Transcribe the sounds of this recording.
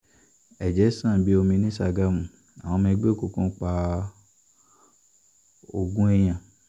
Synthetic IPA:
ɛ˨d͡ʒɛ˨˦sã˦˨bi˨˦o˧mĩ˧˦nĩ˦sa˧ɡa˧mũ˨ | a̰˨w̃ɔ̃˧mɛ̃˧˦ɡ͡be˦˨ku˨kũ˧˦k͡pa˧ | o˧ɡũ˦ɛ˦j̃ã˨

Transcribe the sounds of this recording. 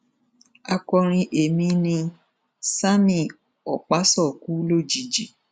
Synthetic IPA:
a˧kɔ˧ɾ̃ĩ˧ʔe˨mĩ˧nĩ˧ | sa˦mĩ˦˨ | ɔ˨k͡pa˨˦sɔ˦˨ku˨˦lo˦˨d͡ʒi˨d͡ʒi˨˦

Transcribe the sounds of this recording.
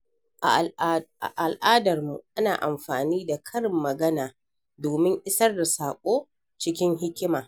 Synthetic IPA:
ʔa˨ | ʔa˨lʔaː˦dɐ˨rmṵ˨ʔa˦naː˨ʔa̰˨mɸaː˨niː˦da˨kʰɐ˦ɽɪ˨mːɐ˨ɡɐ˦naː˨ | doː˨mɪ˦ŋʔɪ˦sɐ˦rda˨saː˨kʷʼoː˦ | t͡ʃɪ˦kʲɪ˦ŋɦɪ˦kʲɪ˦maː˨

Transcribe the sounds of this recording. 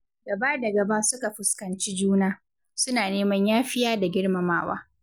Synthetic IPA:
ɡɐ˨ba˦dɐ˨ɡɐ˨ba˦sʊ˦ka˨ɸʊ˦skɐ˨nt͡ʃi˦d͡ʒuː˦naː˦ | sʊ˦naː˨neː˦mɐ˦ɲjaː˦ɸɪ˦jaː˦da˨ɡʲɪ˦ɽmɐ˨maː˦wa̰ː˦

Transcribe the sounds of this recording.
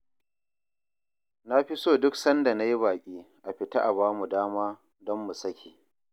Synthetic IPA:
na˦ɸi˦soː˦dʊ˦ksɐ˦nda˨na˦ji˦baː˨kʲʼiː˦ʔa˨ɸɪ˨ta˦ʔa˨βaː˦mu˨daː˦maː˦ | dɔ˦mːu˨sɐ˦kʲʰeː˨

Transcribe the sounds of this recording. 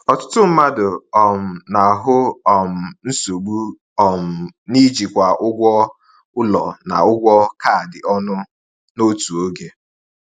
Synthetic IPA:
ɔ˨tʊ˦tʊ˦m̩˦ma˦dʊ˨ɔ˨m̩˨na˨a˨ɦʊ˦ɔ˨m̩˨n̩˦so˨ɡ͡bu˦ | ɔ˨m̩˨ni˦d͡ʒi˨kʷa˨ʔʊ˦ɡʷɔ˦ | ʊ˦lɔ˨na̰˨ʊ˦ɡʷɔ˦ka˦˨dɪ˨ɔ˦nʊ˦ | no˦tu˨o˦ɡe˦

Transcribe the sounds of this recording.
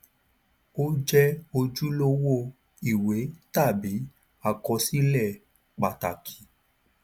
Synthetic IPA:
o˦d͡ʒɛ˦o˧d͡ʒu˦lo˦wo˦˧ | i˦˨we˨˦ta˦˨bi˨˦ | a˨kɔ˧si˦lɛ˦˨ | k͡pa˨ta˨kʰi̥˨˦

